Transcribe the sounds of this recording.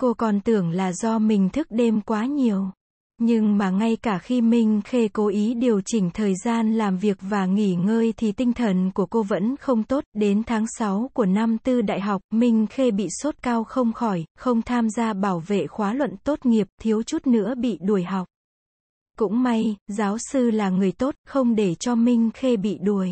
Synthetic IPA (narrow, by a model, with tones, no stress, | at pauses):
ko˧kɔ˨˩nt̪ɨ˧˩əŋlaː˨˩zɔ˧mï˨˩ŋ̟t̪ʰɨ˦˥k̚ɗe˧mkwaː˨˦ɲi˨˩əw | ɲɨ˧ŋmaː˨˩ŋa˧jkaː˧˩xi˧mï˨˩ŋ̟xe˧ko˨˦ʔi˨˦ɗi˨˩əwt͡ɕï˨˩ŋ̟t̪ʰəː˨˩jzaː˧nlaː˨˩mvi˨˩ək̚vaː˨˩ŋi˧˩ŋəː˧jt̪ʰi˨˩t̪ï˧ŋ̟t̪ʰə˨˩nku˧˩əko˧və̰˧˥nxə˧wŋ͡mt̪o˦˥t̚ɗe˨˦nt̪ʰaː˨˦ŋsa˨˦wku˧˩əna˧mt̪ɨ˧ɗa̰ː˧˨jɦa˨˩wk͡p̚mï˧ŋ̟xe˧ɓḭ˧˨so˦˥t̚kaː˧wxə˧wŋ͡mxɔ˧˩jxə˧wŋ͡mt̪ʰaː˧mzaː˧ɓaː˧˩wvḛ˧˨xwaː˨˦lwə̰˧˨nt̪o˦˥t̚ŋi˨˩əp̚t̪ʰi˨˦əwt͡ɕu˦˥t̚nɨ̰˧˥əɓḭ˧˨ɗu˧˩əjɦa˨˩wk͡p̚ | kʊ̰˧˥ŋ͡mma˧jzaː˨˦wsɨ˧laː˨˩ŋɨ˨˩əjt̪o˦˥t̚xə˧wŋ͡mɗe˧˩t͡ɕɔ˧mï˧ŋ̟xe˧ɓḭ˧˨ɗu˧˩əj